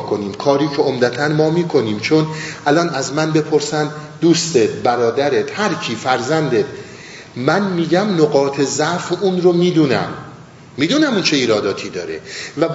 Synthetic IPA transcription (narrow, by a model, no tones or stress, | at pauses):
koniːmkʰɒːɾiːcʰe̞omd̪æt̪ʰænmɒːmiːkʰo̞niːmt͡ʃʰo̞nʔælɒːnæzmænbe̞pʰo̞ɾsænd̪uːst̪et̪̚bæɾɒːd̪æɾet̪hæɾcʰiːfæɾzænd̪et̪ | mænmiːɟæmnoɣɒːt̪ʰezæfuːnɾomiːd̪uːnæ̰mː | iːd̪uːnæmuːnt͡ʃʰeiːɾɒːd̪ɒːt̪ʰiːd̪ɒːɾḛvæb